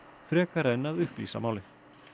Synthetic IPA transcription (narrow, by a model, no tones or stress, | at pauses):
fɾɛːkaɾɛnːaðʏhplḭːsa̰maːwlɪθ